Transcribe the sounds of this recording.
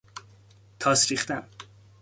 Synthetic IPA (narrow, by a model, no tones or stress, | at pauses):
t̪ʰɒːsɾiːχt̪æm